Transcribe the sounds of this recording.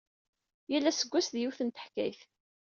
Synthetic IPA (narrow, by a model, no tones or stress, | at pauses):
jælːæsəɡʷːæsðjuwθənt̪ə̥ħkæ̰jθ